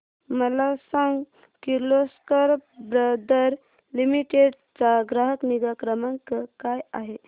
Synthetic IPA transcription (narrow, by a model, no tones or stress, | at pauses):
məlasãŋɡ | kiɾloskəɾbɾəd̪əɾ | limiʈeɖt͡saɡɾaɦəkniɡakɾəmaŋkəkajaɦe